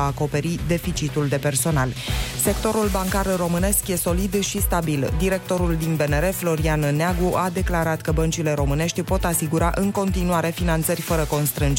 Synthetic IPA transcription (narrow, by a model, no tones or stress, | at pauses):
aːko̞pe̞ɾid̪e̞fit͡ʃit̪uld̪e̞pe̞rso̞nalse̞kt̪o̞ɾulbaŋkarro̞mɨne̞skje̞so̞lid̪ʃist̪abild̪iɾe̞k̚t̪o̞ɾuld̪inbe̞ne̞ɾe̞flo̞ɾianneaɡuʔad̪e̞klaɾat̪kəbənt͡ʃile̞ɾo̞mɨne̞ʃt̪ʲpo̞t̪asiɡuɾaʔɨŋko̞nt̪inuaɾe̞finant̪sərʲfəɾəko̞nst̪ɾɨnd͡ʒ